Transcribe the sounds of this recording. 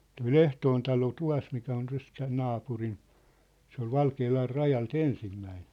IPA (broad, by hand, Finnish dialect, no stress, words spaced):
toi l̥ehtoːn tɑlo tuɑ̝smikæ on tæs tæː nɑːpurin̆ se ol ʋɑlkeːlɑr rɑjɑlt ensimːæin